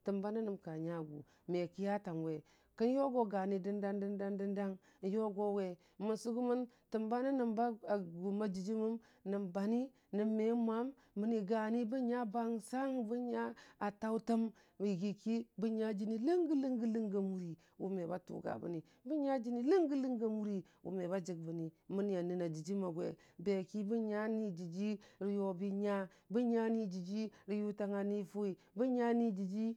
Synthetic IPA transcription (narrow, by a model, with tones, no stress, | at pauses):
tɨ˨mba˦na˦nɨ˨mka˨ɲa˦ɡṵ˨ | me˨ki˦ja˦ta˨m˨we˨ | kə˦njo˦ɡo˦ɡa˨ni˨dɨ˦nda˦ndə˦nda˦ndɨ˦nda˦ŋ | jo˦ɡo˦we˨ | mu˨nsu˦ɡu˦mə˦n | tɨ˨mba˦na˦nɨ˨mba˦a˨ɡu˨ma˦d͡ʒi˨d͡ʒi˦mə˦m | nɨ˨mba˨ni˦ | nɨ˨mːe˨˦mʷa˦mː | ə˦ni˨ɡa˨ni˦bu˦ɲa˦ba˦ŋsa˦ŋbu˦ɲa˦a˨ta˦u˦tə˦m | i˨ɡi˨ki˦bə˦ɲa˦d͡ʒi˦ni˦lə˦ŋɡi˦lə˦ŋɡi˦lə˦ŋɡə˨mu˦ɾi˨ | wṵ˨me˨ba˦tṵ˨ɡa̰˨bə̰˨ni˨ | bi˦ɲa˦d͡ʒi˦ni˦lə˦ŋɡi˦lə˦ŋɡə˦mu˦ɾi˨ | wṵ˨me˨ba˦d͡ʒi˨ɡ̚bə˨ni˨mə˦ni˦ja˨ni˨na˨d͡ʒi˨d͡ʒi˦ma˨ɡʷḛ˨ | be˨ki˦bə˦ɲa˦ni˦d͡ʒi˨d͡ʒi˦ɾi˨jo˨bi˦ɲa˦ | bə˦ɲa˦ni˦d͡ʒi˨d͡ʒi˦ɾi˨ju˦ta˨ŋa˨ni˦fu˦i˨ | bə˦ɲa˦ni˦d͡ʒi˨d͡ʒi˦